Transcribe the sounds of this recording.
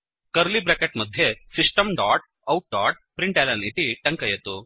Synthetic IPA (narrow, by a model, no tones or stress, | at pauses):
kɐɾlibɾekeʈmɐd̪ʱjesiʂʈɐmɖaːʈ̚ | ɐwʈ̚ɖaːʈ̚pɾiɳʈelɐnit̪iʈɐŋkɐjɐt̪u